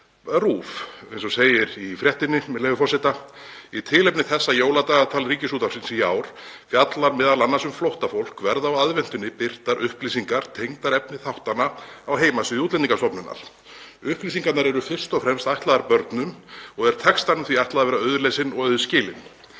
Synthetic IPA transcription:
ruːfejnsɔseːjɪɾifɾjɛht̪ɪnːɪmɛlɛːvʏfɔrsɪt̪ait̪ʰɪlɛpnɪθɛsːajoːwlat̪aːɣat̪ʰaːlriːcɪsuːt̪ḁsɪnsijaːwɾ̥fjat̪laɾmɛːðalanːasʏmflowht̪afowl̥kvɛɾðawaðvɛn̥t̪ʏnːɪpɪr̥t̪aɾʔʏhplisiŋkaɾ̥t̪ʰejŋt̪aɾɛpnɪθawht̪anːaawɦeːjmasɪðiuːt̪lɛniŋkast̪ɔpnʏna̰ɾ̥ | ʏhplisiŋkat̪naɾɛɾʏfɪr̥st̪ɔfɾɛmst̪ajht̪laðaɾpœɾt̪nʏmɔɣɛɾ̥t̪ʰɛkst̪anʏmθviajht̪aðavɛːɾaœːðʏɾleːsɪnɔɣœɥðʏscɪːlɪ̰n

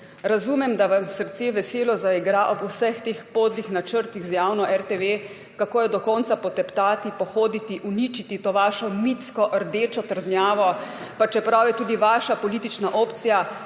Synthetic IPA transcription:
ɾazumɛmd̪aʋamsəɾt̪seːʋɛseːlɔzaiɡɾaʔɔbusɛxt̪eːxpoːd̪lixnat͡ʃəɾt̪iɣzjaːwnɔʔɛɾt̪eʋe | kakoːjɛd̪ɔkɔːnt̪sapɔt̪ɛpt̪aːt̪ipɔxoːd̪it̪iʔunit͡ʃit̪it̪oːʋaːʃɔmit̪skɔʔəɾd̪eːt͡ʃɔt̪əɾd̪njaːʋɔ | pat͡ʃɛpɾawjɛt̪uːd̪iʋaːʃapɔliːt̪it͡ʃnaʔoːpt̪sija

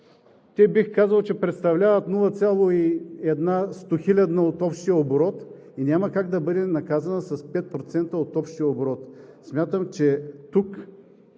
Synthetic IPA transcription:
t̪ʲɛbixkazəlˠt͡ʃɛpɾɛt̪st̪ɐvlʲavət̪nulˠɐt̪sʲjalˠoiɛd̪nast̪oxilʲɐd̪nəot̪ɔpʃt̪ijəoboɾɔt̪ | inʲaməkaɡd̪ɐbɤd̪ɛnɐkazɐnəsɐspɛt̪̚pɾot̪sɛnt̪əot̪ɔpʃt̪ijəoboɾɔt̪smʲjat̪əmt͡ʃɛt̪uk

